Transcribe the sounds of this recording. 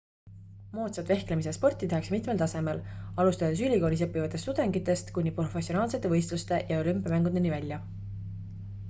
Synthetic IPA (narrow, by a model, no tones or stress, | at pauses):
mo̞ːt̪sɑt̪ve̞hklemisespo̞rt̪ʲːˑit̪ehɑksmit̪me̞lt̪ɑse̞me̞lɑlust̪ɑd̪̥e̞s̬ylʲiko̞ːlʲisɤpːivɑt̪ːˑe̞st̪ud̪̥e̞ŋɡit̪ːˑe̞st̪kunʲːipro̞fe̞sionɑːlse̞t̪ːevɤjst̪lust̪e̞ʔjɑo̞lympːˑiɑmæŋɡ̥ud̪̥e̞nivælʲjɑ